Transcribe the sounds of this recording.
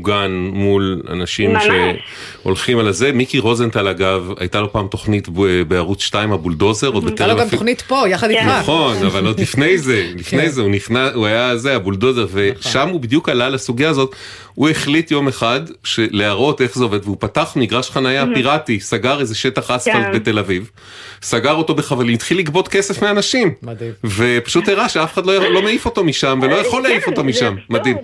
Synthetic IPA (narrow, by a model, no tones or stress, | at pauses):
uɡanmula̰naʃimʃe | o̞̰lχimalaze̞mikiʁo̞zent̪alaɡava̰jtalo̞paːmt̪o̞χnitbeaʁut͡sʃtaimabuldo̞zeʁodbet̪eoɡamt̪χnit̪pojaχad̪iaχo̞navalːolifne̞jze̞lifnejzeuniχnauajaze̞abuldo̞ze̞ʁve̞ʃamubid̪jukalalasuɡijaːzo̞t̪ | ueχlit̪jo̞me̞χad̪ʃeleaʁo̞t̪e̞χzeo̞ved̪veupat̪aχmiɡʁaʃχanajapiʁatisaɡaʁezeʃe̞taχasfaltbe̞t̪e̞laviv | saɡaʁo̞t̪o̞beχavalimit̪χilːiɡbo̞t̪ke̞se̞fmeanaʃimve̞pḁʃuteʁaʃeafe̥χad̪lojalo̞meifo̞t̪o̞miʃamvelo̞jaχo̞lːeifo̞to̞miʃamːad̪im